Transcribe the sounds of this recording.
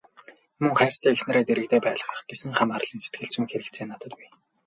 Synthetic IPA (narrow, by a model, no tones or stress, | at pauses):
mɵŋχæːr̥t̪æːexnĕɾeːt̪eɾɘ̆kt̪eːpæːɮə̆χə̥̆χɡ̥esɘ̆ŋχamar̆ɮiːnse̥t̪̚ɡɘ̆ɮt͡suŋxeɾɘ̆k̪t͡sʰeːnːat̪ə̆t̪puj